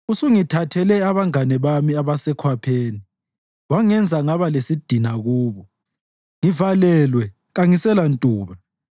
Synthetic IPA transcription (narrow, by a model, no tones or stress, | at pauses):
usuŋitʰatʰɛlɛaβaŋanɛβamiaβasɛkʰwapʰeːni | waŋɛnd͡zʱaŋaβalesid̥ʱinaɣuːβɔ | ŋivalɛlwɛ | ɣaŋisɛlantʼuːβa